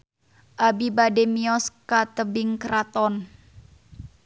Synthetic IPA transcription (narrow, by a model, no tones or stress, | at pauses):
ʔabibademiɔskat̪əbiŋkɾat̪ɔn